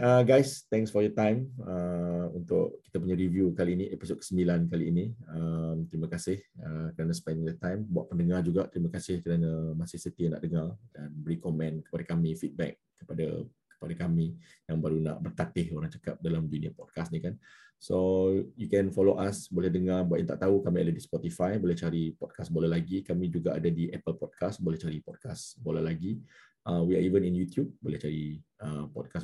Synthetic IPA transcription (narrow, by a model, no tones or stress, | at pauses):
əɡajst̪ɛ̃ŋksfɔjɔt̪ãjməunt̪ʊ̰ʔkːi̥t̪apuɲaɾivjukaliːniʔepisot̚kə̥səmbilankaliːniəmt̪ɾiməkasɪhəkəɾanəspɛnjɔt̪ãjmbuaʔ̚pəndəŋard͡ʒuɡaʔt̪ɾiməkasɪhkəɾanəmasɪsət̪iəna̰ʔdəŋardanbəɾikɔmɛ̃nkə̥padakamifit̪̚bɛ̰k̚ːəpada̰kə̥padakami | jaŋbaɾuna̰ʔbərt̪at̪ɪhoɾaŋt͡ʃə̥kap̚dalamduniapɔd̚kasnikan | sojukɛ̃nfɔloʔasbolɛhdəŋarbaʔənt̪aʔt̪aukamia̰dadispɔt̪ifajbolɛht͡ʃaɾipɔd̚kʰasbolalaɡikamĩd͡ʒuɡaʔa̰dadiʔɛpəlpɔd̚kasbolɛht͡ʃaɾipɔd̚kasbolalaɡi | ʔawia̰ivəninjut̪jub̚bolɛht͡ʃaɾiəpɔ̰d̚kas